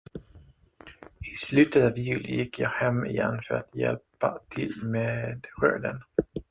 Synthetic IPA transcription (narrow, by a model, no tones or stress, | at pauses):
ɪslʉ̟ːt̪ət̪avɪjʉ̟ːlɪjɪkːjɑːhɛmːɪjɛnːfœɾat̪jɛ̰lpat̪ʰɪlmeːd̪ɧø̰ːd̪ən